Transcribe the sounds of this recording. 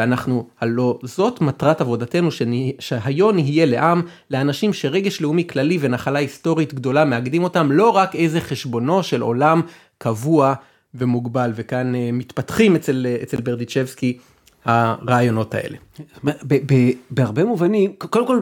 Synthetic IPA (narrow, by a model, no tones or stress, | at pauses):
anaχnuhalo̞zo̞tmatʁatavo̞date̞nuʃeʃeɦajo̞niɦije̞le̞ʔam | leanaʃimʃe̞ʁe̞ɡe̞ʃleumiklalive̞naχalaisto̞ʁitɡdo̞lameaɡdimo̞tamlo̞ʁake̞jzeχe̞ʃbo̞no̞ʃe̞lo̞̰lam | kavua | ve̞muɡbalve̞kanemitpatχimet͡selet͡se̞lbeʁdit͡ʃefski | haʁaːjo̞no̞tʰa̰ʔe̞̰leebebebeaʁbemuvanimkolemkol